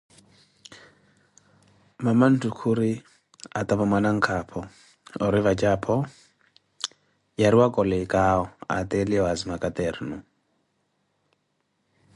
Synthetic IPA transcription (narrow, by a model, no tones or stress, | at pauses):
maman̩tʰukʰuɾi | at̪ʼaβamwanaŋ̩kʰapʰɔ | ɔɾivat͡ʃʼapʰɔ | jaɾiwakʼɔlɛkʼaɔa̰t̪ʼɛliɔazimakʼat̪ʼɛɾnu